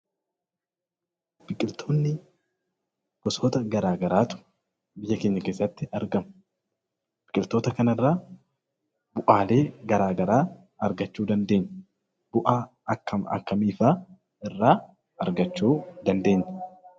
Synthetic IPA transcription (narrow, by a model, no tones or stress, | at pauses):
bb̥ɪkʼɪlt̪ʰo̞ːnːɪ | ɡ̥ɔsoːt̪ɐɡɐɾaːɡɐɾaːt̪ʊ̥ | bɪjːɐkeːɲːɐkeːsːɐt̪ːɪɐɾɡɐmʊ | b̥ɪkʼɪlt̪o̞ːt̪ɐkɐnɪrːaː | bʊʔaːle̞ːɡɐɾaːɡɐɾaː | ɐɾɡɐt͡ʃːuːd̪ɐnd̪e̞ːɲː | b̥ʊʔaː | ɐkʰːɐmɐ̰kːɐmiːfaː | ɪrːaː | ɐɾɡɐt͡ʃːuːd̪ɐnd̪e̞ːɲːɐ̥